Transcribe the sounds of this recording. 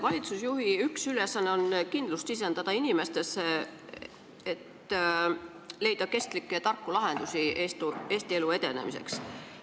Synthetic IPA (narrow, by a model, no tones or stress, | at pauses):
vɑlʲit̪susjuɦiyksyle̞sːɑnːe̞o̞nkind̪̥lust̪sis̬e̞nd̪̥ɑd̪̥ɑinime̞st̪e̞se | et̪ː | le̞jd̪̥ɑke̞st̪likːet̪ɑrkːulɑɦe̞nd̪̥usiest̪ue̞ːst̪ie̞lue̞d̪̥e̞̰nḛmḭse̞̰ks